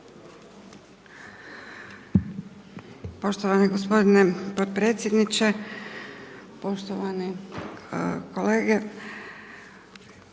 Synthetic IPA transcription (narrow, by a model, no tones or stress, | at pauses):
po̞ʃt̪oʋaniɡospo̞d̪inepot̪̚pɾeːt̪sjed̪nit͡ʃe | po̞ʃt̪oʋani | koleːɡe